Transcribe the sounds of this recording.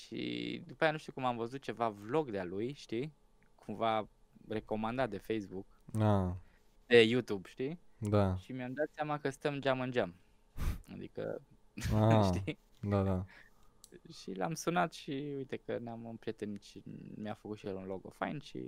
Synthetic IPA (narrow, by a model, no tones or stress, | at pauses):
ʃḭd̪upajanuʃt̪iukumamvəzut̪̚t͡ʃe̞vavlo̞ɡd̪ealujʃt̪i | kʰumvare̞ko̞mand̪at̪̚d̪e̞fejsbuk | a | d̪̥e̞jut̪ubʃt̪id̪aʃimjamd̪at̪seamakəst̪əmd͡ʒamɨnd͡ʒam | a̰d̪ḭkə̰ | aʃt̪i | d̪ad̪a | ʃila̰msunat̪ʃiujt̪e̞kənamɨnpɾiet̪enʃimjafəkut̪ʃijelunloɡo̰fa̰jnʃḭ